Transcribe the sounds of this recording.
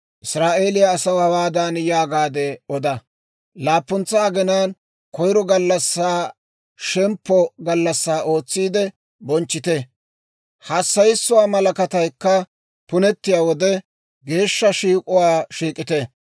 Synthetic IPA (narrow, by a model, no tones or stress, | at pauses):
ʔɪsɾaːʔe̞ːlɪjaːsɐwhɐwaːd̪anjaːɡaːd̪ɛɔd̪ɐ | laːpːʊnt͡sːaːɡɛnaːn | kɔjɾɔɡɐlːɐsːaː | ʃɛmpːɔɡɐlːɐsːaːʔo̞ːt͡sːiːd̪ɛ | bɔnt͡ʃːɪt̪ɛ | hɐsːɐjɪsːʊwaːmɐlɐkɐt̪ɐjkːɐ | pʊnɛt̪ːɪjaːwɔd̪ɛ | ɡe̞ːʃːɐʃiːkʼʊwaːʃiːkʼːɪt̪ɛ